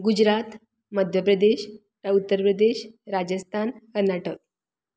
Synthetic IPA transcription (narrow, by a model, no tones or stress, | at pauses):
ɡud͡ʑɾat̪ | məd̪ʱjəpɾəd̪eɕ | t̪aut̪ːəɾpɾəd̪eɕɾad͡ʑəst̪ʰankəɾnaʈək̚